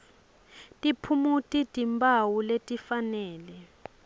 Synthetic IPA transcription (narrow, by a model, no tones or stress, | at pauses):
tʼipʰumutʼitʼimbʱʼawuletʼifanɛːlɛ